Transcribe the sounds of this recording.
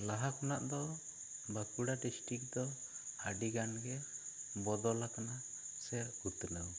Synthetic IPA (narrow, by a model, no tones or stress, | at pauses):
laɦakɔnaʔd̪ɔ | bakuɽaɖisʈɾik̚d̪ɔ | aɖiɡanɡɛbɔd̪ɔlakana | sɛɾut̪nəw